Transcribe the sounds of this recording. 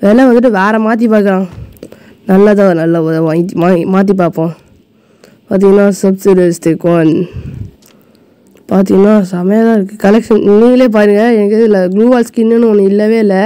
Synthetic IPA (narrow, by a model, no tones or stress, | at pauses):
ʋeːlɛʋɐnd̪ɯʈ̬ːɯʋɛːɾɛ̃maːt̪̬ːipaːkːɯɾãː | nɐlːat̪̬ãːnɐlːaamaːmaːt̪̬ɾip̬aːpːõ | paːɾt̪̬iːŋɡɐnːãːsɐbsɪɖɪsʈ̪ɪkːon | paːɾt̪̬ĩːŋɡɐnːãːsɐmɐjɐt̪ãːɪɾɯkːɯkɐlɛkʂɐnnːiːŋɡɐleːp̬aːɾɯŋɡɐɛnɐkːɯɪlːɐɡluːbaːlskinːɯnːɯɔnːɯɪlːɐʋeːɪlːɛ